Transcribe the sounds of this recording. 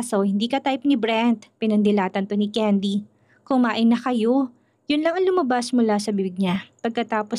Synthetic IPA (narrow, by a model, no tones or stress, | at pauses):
sohɪnd̪iːkɐt̪ajp̚nɪbɾɛnt̪̚pɪnɐnd̪ɪlaːt̪ɐnt̪onɪkɛnd̪i | kʊŋmaːʔɪnɐkɐjo | jʊnlɐŋɐŋlʊmɐbasmʊlasɐbibɪɡ̚ɲapɐɡ̚kɐt̪aːpo